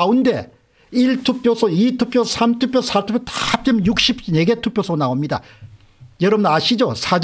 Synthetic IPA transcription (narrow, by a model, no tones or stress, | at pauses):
unde̞ | iɭtʰup͈josʰʌitʰup͈josʰamtʰup͈josʰatʰupjotap͈ʌmjuk̚ɕ͈ip̚neɡetʰupjosʰonaomɲida̰ | jʌɾʌbnaɕʰid͡ʑosʰad͡ʑ